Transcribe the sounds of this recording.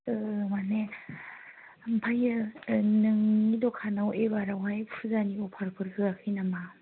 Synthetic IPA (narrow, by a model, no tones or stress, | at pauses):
ɯmane | ampʰajɯnɯŋidɔkʰanawʔeβaɾawajpʰuzaniɔpʰaɾpʰɯɾkʰɯɡakʰɯjnama